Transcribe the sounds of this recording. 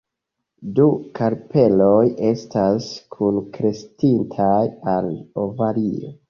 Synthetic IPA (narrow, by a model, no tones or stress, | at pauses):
dukaɾpe̞lo̞je̞staskʰunkɾe̞stintʰajalovalio̰